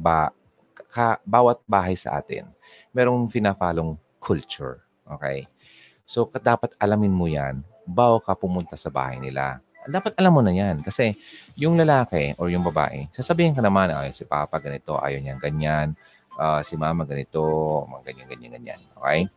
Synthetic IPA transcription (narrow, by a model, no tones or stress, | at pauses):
ba | kɐbaːwɐt̪̚baːɦɐjsɐ̰ʔa̰ːt̪ɪ̰n | mɛːɾo̞ŋpɪnapaːloŋ | kʰult͡ʃʊɹ | ʔo̞̰ːkɛ̰j | so̞kɐd̪aːpɐt̪ʔɐlamɪnmʊjan | baːwɐkɐpʊmʊnt̪asɐba̰ːhɐ̰jnɪla̰ | d̪aːpɐt̪̚ʔɐlamːʊnɐjankɐsɛjʊŋlɐlaːkɛʔoɹjʊŋbɐba̰ːʔɪsaːsɐbiːhɪnkɐnɐmana̰sɪpa̰ːpɐɡɐnɪt̪o̞ʔa̰ːjoɲaŋɡɐɲan | ʔasɪmaːmɐɡɐnɪt̪o̞mɐɡɐɲaŋɡɐɲanɡɐɲa̰nʔo̰ːkɛj